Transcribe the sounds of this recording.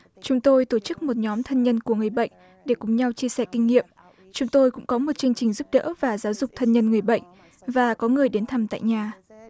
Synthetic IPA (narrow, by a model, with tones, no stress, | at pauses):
t͡ɕʊ˨˦ŋ͡mt̪o˧jt̪o˧˩t͡ɕɨ˦˥k̚mo˨˩t̚ɲɔ˨˦mt̪ʰə˧nɲə˧nku˧˩əŋɨ˨˩əjɓə̰˧˨jŋ̟ | ɗe˧˩kʊ˨˩ŋ͡mɲa˧wt͡ɕi˧əsɛ˧˩kï˧ŋ̟ŋḭ˧˨əm | t͡ɕʊ˨˦ŋ͡mt̪o˧jkʊ̰˧˥ŋ͡mkɔ˨˦mo˨˩t̚t͡ɕɨ˧əŋ̟t͡ɕï˨˩ŋ̟zu˦˥p̚ɗə̰ː˧˥vaː˨˩zaː˨˦wzʊ˨˩k͡p̚t̪ʰə˧nɲə˧nŋɨ˨˩əjɓə̰˧˨jŋ̟ | vaː˨˩kɔ˨˦ŋɨ˨˩əjɗe˨˦nt̪ʰa˨˩mt̪a̰ː˧˨jɲaː˨˩